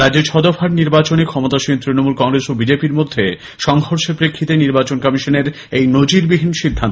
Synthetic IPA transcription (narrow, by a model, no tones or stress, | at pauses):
ɾad͡ʑd͡ʑet͡ɕʰɔd̪ofaɾniɾbat͡ɕonekʰɔmot̪aʃint̪ɾinomulkɔŋɾesobid͡ʑepiɾmod̪ʱːe | ʃɔŋɦoɾʃepɾekʰːit̪eniɾbat͡ɕonkamiʃoneɾ | ejnod͡ʑiɾbibʱinʃid̪ʱːant̪